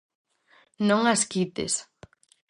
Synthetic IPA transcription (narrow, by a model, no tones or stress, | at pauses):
nõŋaskit̪ḛs